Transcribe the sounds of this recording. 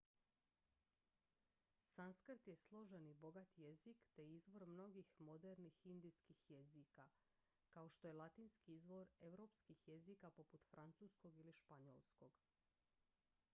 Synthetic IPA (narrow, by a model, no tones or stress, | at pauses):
sanskr̩t̪je̞slˠo̞ʒenibo̞ɡat̪je̞zikt̪e̞izʋo̞ɾmno̞ɡixmo̞d̪eɾnixind̪ijskixje̞zika | kao̞ʃt̪o̞je̞lˠat̪iːnskiizʋo̞ɾe̞ʋɾo̞pskixje̞zikapo̞put̪fɾʔant̪suːsko̞ɡiliʃpaɲo̰lˠsko̞ɡ